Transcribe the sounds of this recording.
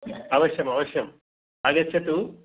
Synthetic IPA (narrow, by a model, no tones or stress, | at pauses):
ɐʋɐɕjɐmɐʋɐɕjɐm | ɐɡɐt͡ɕʰːɐt̪u